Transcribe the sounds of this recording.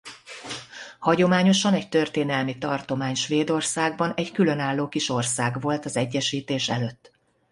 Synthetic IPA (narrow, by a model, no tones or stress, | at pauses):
hɒɟo̞maːɲo̞ʃɒnɛc̚t̪ørt̪eːnɛlmit̪ɒrt̪o̞maːɲʃʋeːd̪o̞rsaːɡbɒnɛckylø̞naːlːoːkiʃo̞rsaːɡʋo̞lt̪ɒzɛɟːɛʃiːt̪eːʃɛ̰løt̪ː